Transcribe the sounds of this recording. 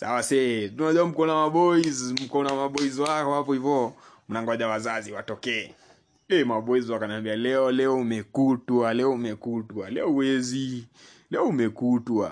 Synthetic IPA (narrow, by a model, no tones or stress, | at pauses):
sa̰wasɛtunaʄuam̩kɔnamaɓɔizm̩kɔnamaɓɔizakɔhapɔivɔ | munaŋɡaʄawazaziwatɔkɛː | ɛmaɓɔizwakanambialɛɔlɛɔumɛkutwalɛɔumɛkutwalɛɔuwɛzi | lɛɔumɛkutwa̰